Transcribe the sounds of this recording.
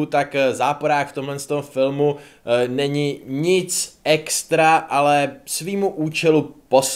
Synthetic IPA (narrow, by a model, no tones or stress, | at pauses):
ut̪akzaːpoɾaːkft̪omɦlɛnst̪omfɪlmu | nɛɲɪɲɪt͡sʔɛkst̪ɾaʔalɛsviːmuʔuːt͡ʃɛlupo̞s